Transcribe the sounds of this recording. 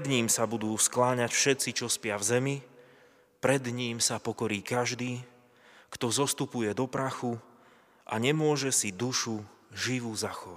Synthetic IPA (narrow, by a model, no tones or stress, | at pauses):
d̪ɲiːmsabud̪uːsklaːɲacfʃɛt̪t͡sit͡ʃɔspɪavzɛmi | pɾɛd̪ɲiːmsapɔkɔɾiːkaʒd̪iː | kt̪ɔzɔst̪upujɛd̪ɔpɾaxu | ʔa̰ɲɛmʊɔʒɛsid̪uʃuʒiʋuzaxɔʋa